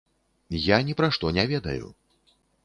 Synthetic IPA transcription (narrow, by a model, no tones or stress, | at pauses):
janʲɛpɾaʂt̪ɔnʲɛvʲɛd̪ɐ̰jṵ